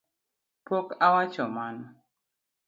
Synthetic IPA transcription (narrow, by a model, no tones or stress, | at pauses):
pɔkawat͡ʃɔman